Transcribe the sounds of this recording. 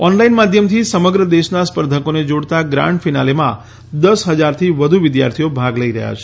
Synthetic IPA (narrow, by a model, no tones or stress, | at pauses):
ɔnlainmad̪ʱjəmt̪ʰisəməɡɾəd̪eʃnaspəɾd̪ʱəkoned͡ʒoɽt̪aɡɾã̰ɳʈfinalemã | d̪əsɦəd͡ʒaɾt̪ʰiʋəd̪ʱuʋɪd̪ja̰ɾt̪ʰijobʱaɡləiɾə̰ɦja̰t͡ʃʰe̥